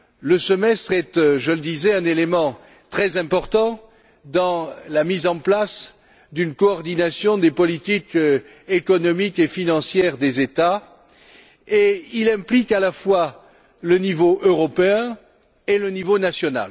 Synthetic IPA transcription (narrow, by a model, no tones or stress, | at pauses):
ləsəmɛst̪χɛt̪ʒələd̪izɛɛ̃nelemɑ̃ | t̪χɛzɛ̃pɔʁt̪ɑ̃ | d̪ɑ̃lamizɑ̃plas | d̪ynkɔːʁd̪inasjɔ̃d̪epɔlit̪ik | ekɔnɔmikefinɑ̃sjɛʁd̪ezet̪a | eilɛ̃plikalafwa | lənivoʔøʁɔpeɛ̃ | elənivonasjɔna̰l